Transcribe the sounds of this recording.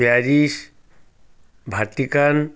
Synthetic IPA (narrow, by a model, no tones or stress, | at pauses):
jaːɾis | bʱat̪ikan